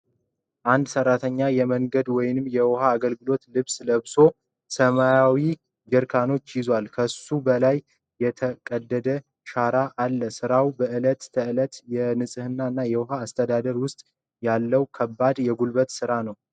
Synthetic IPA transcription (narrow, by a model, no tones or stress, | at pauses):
ʔand̪sərːat̪ʰəɲːajɛməŋɡəd̪wɔjɪnɨmjɛwɔɦaːɡəlɡɨlo̞t̪lɨβsləβso̞ | səmajawi | d͡ʒɛɾkʰano̞t͡ʃːjɪzwalkʰəsubəlaj | jɛt̪ʰəkʼəd̪ːəd̪ə | ʃaɾaʔːlːəsɨɾawbəʔɨlət̪ːʰəɨlət̪jɛnɨsʼɨhɨnːaɨnːajɛwɔhaːst̪ʰəd̪ad̪əɾwʊst̪ʼ | jalːəwkʰəbːad̪jɛɡulbət̪sɨɾanəw